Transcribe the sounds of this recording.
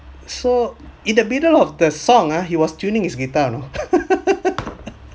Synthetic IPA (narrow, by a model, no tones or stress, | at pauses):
soindəmidəlɔfdəsɔŋaɦiwɔst͡ʃunɪ̃ŋisɡit̪ano